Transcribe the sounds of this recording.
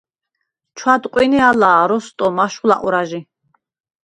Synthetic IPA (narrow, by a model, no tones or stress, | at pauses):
t͡ʃʰwad̪qʼwinialaːɾɔst̪ʼɔmaʃχula̰ʔʼuɾaʒi